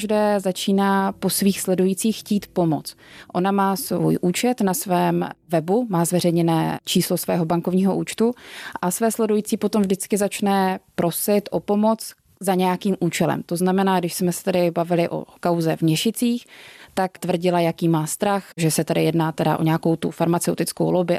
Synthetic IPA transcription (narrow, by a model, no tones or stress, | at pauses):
ʒdɛːzat͡ʃiːnaːpo̞sviːxslɛdujit͡siːxxciːt̪po̞mo̞̰t͡sʔo̞namaːsvṵːjʔuːt͡ʃɛt̪nasvɛːmvɛbumaːzvɛrɛjɲɛnɛːt͡ʃiːslo̞svɛːɦo̞baŋkovɲiːɦo̞ʔuːt͡ʃt̪uʔasvɛːslɛdujit͡siːpo̞t̪omvʒdɪt͡skɪzat͡ʃnɛpɾo̞sɪt̪ʔo̞po̞mo̞t͡s | zaɲɛjakiːmʔuːt͡ʃɛlɛ̰mt̪o̞znamɛnaːɡdɪʃsmɛsɛ̥t̪adɪbavɪlɪʔo̞̰kawzɛvmɲɛʃɪt͡siːxt̪akt̪vr̩ɟɪlajakiːmaːst̪ɾaxʒɛsɛt̪adɪjɛdnaːt̪ɛda̰ʔo̞̰ɲɛjako̞wt̪ṵfaɾmat͡sɛwt̪ɪt͡sko̰wlobɪ